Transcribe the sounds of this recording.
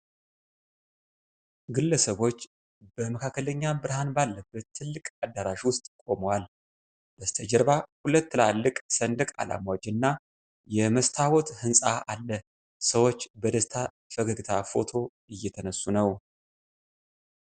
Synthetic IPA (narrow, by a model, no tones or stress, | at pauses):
ɡɨlːəsəβo̞t͡ʃː | b̥əməkʰakːələɲːabɨɾhanbalːəbːət̪ʰːɨlːɨkʼad̪ːaɾaʃiwʊst̪ʼkʼo̞məwal | d̪̥əst̪ʰəd͡ʒəɾβahulət̪ːlalːɨkʼsənd̪ɨkʼa̰la̰mwd͡ʒɪnːa | jɛməst̪ʰawɔt̪hɨnsʼaʔalːə | səwo̞t͡ʃːbəd̪əst̪ʰa | fəɡəɡt̪ʰafo̞̰t̪ʰo̞ | ɨjːɛt̪ʰənəsːunəw